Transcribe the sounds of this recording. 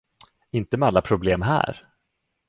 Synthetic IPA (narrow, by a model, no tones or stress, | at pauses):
ɪnt̪əmɛalːapʰɾʊbleːmɦæ̰ːɾ